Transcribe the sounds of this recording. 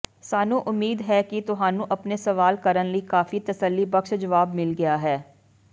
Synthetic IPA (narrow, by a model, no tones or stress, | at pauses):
saːnũʔʊmːiːd̪ɦɛːkit̪ʊɦãːnũʔɐpnesɐʋaːlkəɾənləikaːfit̪ɐsəlːibɐkʃd͡ʒɐʋaːbmɪlɡɐjaɦɛː